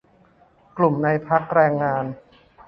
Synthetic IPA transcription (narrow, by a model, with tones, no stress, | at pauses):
klu˨˩mna˧jpʰa˦˥k̚ɾɛː˧ŋːaː˧n